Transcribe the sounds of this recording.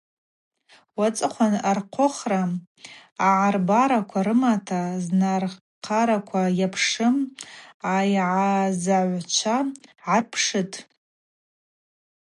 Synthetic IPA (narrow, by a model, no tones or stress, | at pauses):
wat͡sʼɨχʷʰanarqʷʰoχraː | ʕarbaɾakʷʰaɾɨmatʰaznar | qʰaɾakʷʰajapʰʂɨm | ajʕazaʕʷt͡ʃʷʰaʕarpʰʂɨtʼ